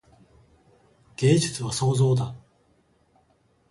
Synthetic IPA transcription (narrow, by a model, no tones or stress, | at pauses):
ɡ̥eːd͡ʑit͡sɨβaso̞ːzo̞ːd̪a